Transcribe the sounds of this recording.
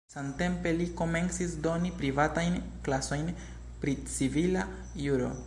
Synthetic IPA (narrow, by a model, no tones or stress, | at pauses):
samte̞mpe̞liko̞me̞nsisdo̞nipɾivatajn | klaso̞jn | pɾit͡sivila | juɾo̞̰